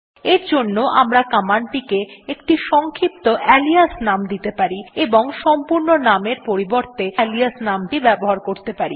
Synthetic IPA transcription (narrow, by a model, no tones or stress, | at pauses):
eɾd͡ʑonːoʔamɾakamaɳʈikeekʈiʃɔŋkʰipt̪oʔɛliasnamd̪it̪epaɾieboŋʃɔmpuɾnonameɾpoɾiboɾt̪eliasnamʈibɛboɦaɾkoɾt̪epaɾi